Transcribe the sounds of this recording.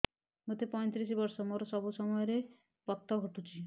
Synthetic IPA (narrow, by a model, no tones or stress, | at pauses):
mot̪epɔj̃t̪ɾis̬ibɔɾsɔmoɾɔsɔbusɔmɔjɔɾe | bɔkt̪ːɔɡʱɔʈut͡ʃʰi